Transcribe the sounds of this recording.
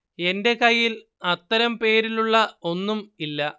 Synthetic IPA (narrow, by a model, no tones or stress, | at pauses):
e̞nde̞kɐjːil | ɐt̪ːɐɾɐmpe̞ːɾiluɭːɐo̞nːumilːɐ